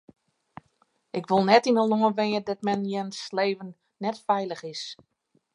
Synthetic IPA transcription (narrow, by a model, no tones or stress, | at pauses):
ʔɪkʋolˠnɛtinəloənʋɪjədɔt̚mɛnjɛnsleːvənː | ɛtfɛjlˠəxɪs